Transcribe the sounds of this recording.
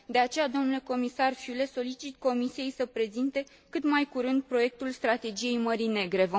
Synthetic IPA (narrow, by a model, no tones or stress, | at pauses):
d̪e̞at͡ʃe̞jad̪o̞mnule̞ko̞misarfjule̞so̞lit͡ʃit̪̚ko̞misije̞jsəpɾe̞zint̪e̞ | kɨt̪majkuɾɨnd̪̚pɾo̞je̞k̚t̪ulst̪ɾat̪e̞d͡ʒije̞jməɾine̞ɡɾe̞vo